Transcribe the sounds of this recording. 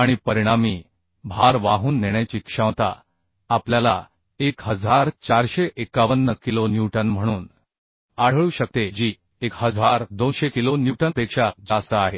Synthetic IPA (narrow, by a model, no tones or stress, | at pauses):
aɽ̃ipəɾiɽ̃amiː | bʱaɾʋaɦuːnːeɽ̃jat͡ɕiːkʂə̃ʋt̪a̰ | apljala | ekɦəd͡zʱaɾt͡ɕaɾɕeʔekaʋənːəkilonjuʈənm̤əɽ̃uːn | aɽ̤əɭuːɕək̚t̪ed͡ʑiː | ekɦəd͡zʱaɾd̪onɕekilonjuʈəpekʂad͡zast̪əaɦe